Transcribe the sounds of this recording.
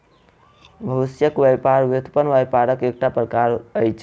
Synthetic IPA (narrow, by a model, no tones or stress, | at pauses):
bʱəʋisjəkʋapaɾʋut̪ʰpənʋajpaɾəkek̚ʈapɾəkaɾəjt͡ʃʰ